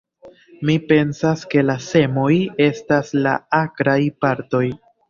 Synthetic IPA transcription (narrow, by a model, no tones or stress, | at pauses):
mipe̞nsaske̞lase̞mo̞je̞stasla̰akɾajpaɾto̞j